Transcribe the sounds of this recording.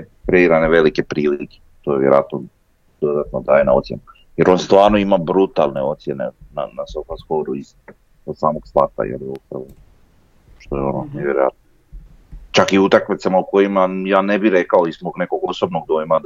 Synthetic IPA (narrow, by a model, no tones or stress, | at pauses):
pɾeiɾaneʋe̞like̞pɾiːlike̥t̪ojeʋjeɾo̰a̰t̪no | d̪̥o̞d̪at̪nod̪aːjenaot̪sjḛna | jeɾo̞nst̪ʋaːɾnoimabɾut̪alˠne̞o̞t̪sje̞nḛna̰nasofaskoɾuiz | osaːmoɡst̪ˠat̪a̰jḛliupɾaʋo | ʃt̪ojeononeʋjeɾoat̪̚no | t͡ʃakiut̪akmit̪samauko̞jimajaːnebiɾekaoizmoɡne̞koɡoso̞bnoɡ̚d̪ojma